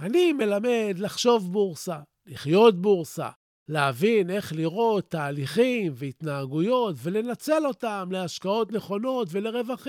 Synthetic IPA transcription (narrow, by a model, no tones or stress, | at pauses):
anime̞lame̞d̪laχʃo̞vbuʁsa | liχjo̞t̪̚buʁsa̰ | leavine̞χliʁo̞t̪ːaːliχimveit̪naaɡujo̞t̪ve̞le̞nat͡se̞lo̞tamle̞aʃkao̞t̪ne̞χo̞no̞tve̞le̞ʁe̞vaχi